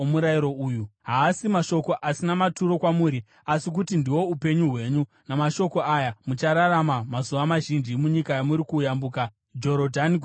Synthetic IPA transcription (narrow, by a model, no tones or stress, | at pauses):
omuɾaiɾo̞uːjuɦaːsimaʃo̞ko̞ʔasinamatuɾo̞kwamuːɾi | asik̬utindiwo̞upe̞ɲuɦwe̞ːɲu | namaʃo̞ko̞ajamut͡ʃaɾaɾamamazuʋamaʒind͡ʒimuɲikajamuɾikuːjambuːka | d͡ʒo̞ɾodʱani